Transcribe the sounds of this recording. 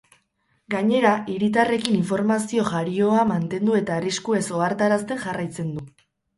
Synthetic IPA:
ɡaɲe̞ɾaʔiɾit̪̬are̞kiniɱfo̞ɾmasio̞ʝaɾio̞amant̪e̞nd̪ue̞t̪aːriskue̞so̞aɾt̪aɾast̪e̞ŋʝarajt͡se̞nd̪u

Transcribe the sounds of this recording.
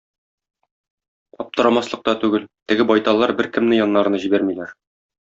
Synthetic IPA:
ɒp̚t̪ɤ̆ɾɑmɑslˠɤ̆q̚t̪ɑt̪ʉɡɘlt̪ɘ̆ɡɘbɒjt̪ɑlˠːɑɾbɘɾkɘ̆mnɘjɒnːɑɾɤnɤʑibæɾmilæɾ

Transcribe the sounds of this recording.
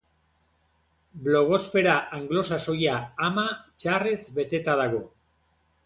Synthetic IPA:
blo̞ɣ̞o̞sfe̞ɾaʔaŋɡlo̞saso̞jaːmat͡ʃare̞zbe̞t̪e̞t̪aðaɣo̞

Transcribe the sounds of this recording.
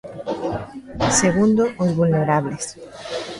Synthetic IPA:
seɣund̪oozβulneɾaβles

